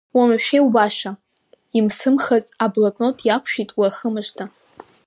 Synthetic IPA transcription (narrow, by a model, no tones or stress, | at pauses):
wamaʃᶣewbaʃa | imsɨmχazʼablakʼnotʰʼjakʷʰʃᶣitʼwiaχəmɨʒtʰa